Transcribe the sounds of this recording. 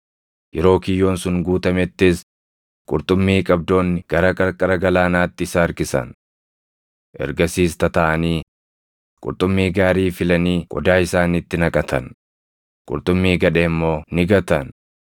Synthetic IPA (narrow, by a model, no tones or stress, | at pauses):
jɛɾo̞ːkɪjːo̞ːnsʊŋɡuːt̪ɐmɛt̪ːɪs | kʼʊɾt̪ʼʊmːiːkʼɐb̚d̪o̞ːnːɪɡ̥ɐɾɐkʼɐkʼɐɾɐɡɐlaːnaːt̪ːɪɪsaɐɾkɪsɐ̰n | ʔɛ̰ɾɡɐsiːst̪ɐt̪ɐʔɐniː | kʼʊ̰ɾt̪ʼʊmːiːɡaːɾiːfɪlɐniːkʼɔ̰d̪aːɪsaːnit̪ːɪnɐkʼɐt̪ʰɐn | kʼʊ̰ɾt̪ʼʊmːiːɡɐᶑeːmːo̞ːnɪɡɐt̪ɐn